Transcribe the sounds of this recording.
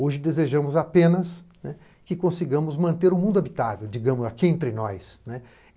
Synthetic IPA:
oʒɪd̪ezeʒɐ̃mʊzapẽnɐsnɛ | kɪkõsiɡɐ̃mʊzmɐ̃nt̪eɾʊmũnd̪ʊabit̪avewd͡ʒiɡɐ̃mʊzakiẽnt̪ɾɪnɔjsnɛ

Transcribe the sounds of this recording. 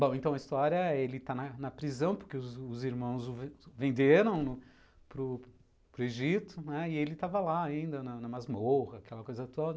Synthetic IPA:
bõw̃ẽnt̪ɐ̃w̃ɐist̪ɔɾjɐelɪt̪anɐnɐpɾizɐ̃w̃pʊɾkeʊzʊziɾmɐ̃w̃zʊvvẽnd̪eɾɐ̃w̃nʊ | pɾʊ | pɾʊeʒit̪ʊnɛɪelɪt̪avɐlaaĩnd̪ɐnɐnɐmazmohɐːkɛlɐkojzɐt̪od̪ɐ

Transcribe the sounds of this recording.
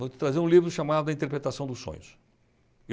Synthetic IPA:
võt͡ʃɪ̥t̪ɾazeɾũlivɾʊʃamad̪ʊd̪ɐĩt̪eɾpɾet̪asɐ̃w̃d̪ʊsːõ̰ɲʊs | e

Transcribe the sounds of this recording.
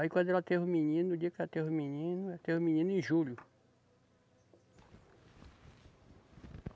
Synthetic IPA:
aikwɐ̃d̪ʊɛlɐt̪evʊ̃minĩnʊd͡ʒiɐkɛlɐt̪evʊ̃minĩnʊɛɐt̪evʊ̃minĩnʊẽʒuʎʊ

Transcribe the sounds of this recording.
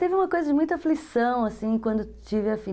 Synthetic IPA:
t̪evɪũmɐkojzɐd͡ʒɪmũj̃t̪ɐaflisɐ̃w̃asĩkwɐ̃nd̪ʊt͡ʃivɪafi

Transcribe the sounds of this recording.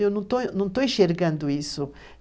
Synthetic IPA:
ewnɐ̃t̪onɐ̃w̃t̪oĩʃeɾɡãnd̪ʊisʊ

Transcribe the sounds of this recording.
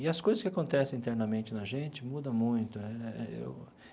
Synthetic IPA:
ɪɐskojzɐskʲɪakõnt̪ɛsẽĩnt̪ɛɾnɐmẽnt͡ʃɪnɐʒẽnt͡ʃɪmud̪ɐ̃mũj̃t̪ʊɛɛḛw

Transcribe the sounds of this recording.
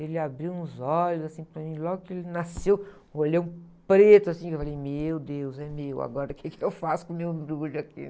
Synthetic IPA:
elɪabɾiwũzɔʎʊzasĩpɾamĩlɔɡʊkɪelɪnasew | oʎewũpɾet̪ʊasĩewfalejmewd̪ewzɛmewa̰ɡɔɾɐkʰekɪewfasʊ̥kõmewb̪ɾuʎʊakḭ

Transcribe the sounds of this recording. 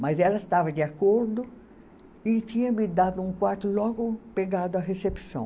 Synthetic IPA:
mɐzɛlɐɪst̪avɐd͡ʒiakoɾd̪ʊ | ɪt͡ʃĩɲɐ̃mid̪ad̪ʊũkwaɾt̪ʊlɔɡʊpeɡad̪ʊɐɦesepi̥sɐ̰̃w̃

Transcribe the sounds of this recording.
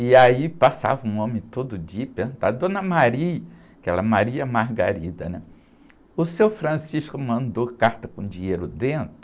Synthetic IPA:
ɪaipasa̰vɐũõmẽt̪od̪ʊd͡ʒiɐpeũt̪ad̪õnɐmaɾiɐ | kɛlɐmaɾiɐmaɦɡa̰ɾid̪ɐ̰nɛ | ʊsewfɾɐ̃siʃkʊmɐ̃nd̪okaɾt̪ɐkõd͡ʒieɾʊd̪ẽnt̪ɾʊ

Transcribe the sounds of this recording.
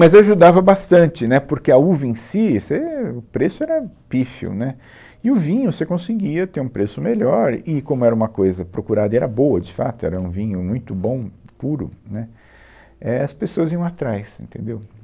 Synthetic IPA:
mɐzaʒud̪avɐbast̪ɐ̃nt͡ʃɪnɛpoɾkeɐuvɐẽsiseʊpɾesʊɛɾɐpifḭwnɛ | ɪʊvĩɲʊsekõsɪɡiɐt̪eɾũpɾesʊmeʎɔɾɪkõmʊɛɾɐũmɐkojzɐpɾokuɾad̪ɐɛɾɐboɐd͡ʒɪfat̪ʊɛ̰ɾɐũvĩɲʊmũj̃t̪ʊbõw̃puɾʊ̰nɛ | ɛɐspesoɐziɐ̃w̃at̪ɾajsḛ̃nt̪ḛ̃nd̪ew

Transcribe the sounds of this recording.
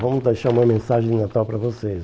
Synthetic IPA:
vɐ̃mʊzd̪ejʃaɾũmɐmẽsaʒẽj̃nat̪awpɾɐvoses

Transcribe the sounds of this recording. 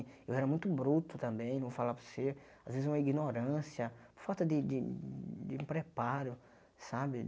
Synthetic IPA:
ewɛɾɐmũj̃t̪ʊbɾut̪ʊt̪ɐ̃mbẽj̃nɐ̃w̃falavʊseɾ | azvezɪzũmɐiɡinoɾɐ̃siɐpʊɾfawt̪ɐd̪ɪd̪ɪd̪ɪũpɾepaɾʊ | sabɪ

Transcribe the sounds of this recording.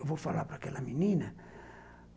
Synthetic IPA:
vofala̰pɾakɛlɐmininə

